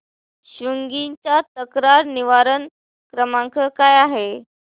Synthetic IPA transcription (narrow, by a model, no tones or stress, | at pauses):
ɕuŋɡit͡ɕat̪əkɾaɾniʋaɾən | kɾəmãŋkəkajaɦe